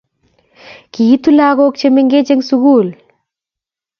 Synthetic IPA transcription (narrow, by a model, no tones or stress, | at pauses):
kiːt̪ulaːɡoːk̚t͡ʃʰemeŋɡet͡ʃeŋsuɡuːl